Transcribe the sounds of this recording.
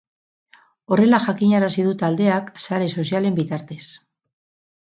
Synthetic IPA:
o̞re̞laʝakiɲaɾasið̞ut̪ald̪e̞aksaɾe̞so̞s̬iale̞mbit̪aɾt̪e̞s

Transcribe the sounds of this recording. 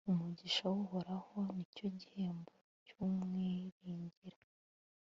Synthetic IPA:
umuɟiʃawuho̞ɾaho̞nico̞ɟihe̞ːmbo | cumŋeɾiːɲɟiɾḁ

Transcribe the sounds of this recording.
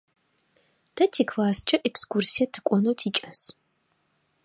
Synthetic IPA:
d̥ʰɐtʰikʰvaːst͡ʃʼɐʔɛkskʰʷursijɐtʰɨ̥kʷʼɔnɐwtʰiːt͡ʃʼɐs

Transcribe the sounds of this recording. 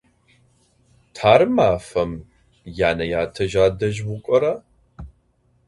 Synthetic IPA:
tʰaːɾɨmaːfɐm | jaːnɐjaːtʰɐʒaːdɐʒwʊkʷʼɔɾa

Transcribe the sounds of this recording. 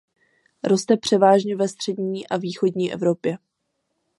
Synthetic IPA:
ɾo̞st̪ɛpr̝̥ɛvaːʒɲɛvɛst̪r̝̥ɛdɲiːʔaviːxo̞dɲiːʔɛ̰vɾo̞pjɛ

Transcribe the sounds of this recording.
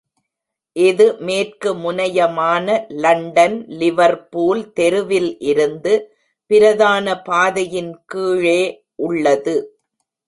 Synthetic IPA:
ʔɪðɯmeːrkɯmʊnɐjɐmaːnɐlɐɳɖɐnlɪʋɐɾpuːlt̪ɛɾɯʋɪlʔɪɾɯnd̪ɯ | pɪɾɐðaːnɐpaːðɐjɪnkiːɻeː | ʔʊɭːɐðɯ

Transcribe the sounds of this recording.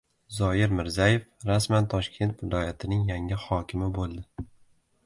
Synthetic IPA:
zɒjɪɾmɪɾzaje̞fɾasmant̪ʰɒʃkʲʰe̞nt̪vɪlˠɒjat̪ʰɪnɪŋjaŋɪhɒkʲʰɪmɪbolˠd̪ɪ

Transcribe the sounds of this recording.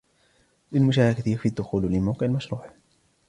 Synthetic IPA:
lɪlmʊʃaːʕakaθiːfiːad̪ːʊxuːllɪlmawqɪʕalmaʃɾˤuːʕ

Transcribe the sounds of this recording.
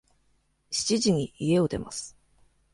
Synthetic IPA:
ɕi̥t͡ɕiʑiɲ̟iie̞o̞d̪e̞̰ma̰sɨ̥

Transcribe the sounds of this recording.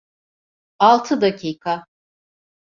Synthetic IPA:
alˠt̪ʰɯd̪acʰiːkʰa

